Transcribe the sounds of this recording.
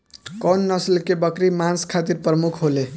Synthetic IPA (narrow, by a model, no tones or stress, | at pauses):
kʌnːʌslkebʌkɾimanskʰat̪iɾpɾʌmukʰɦole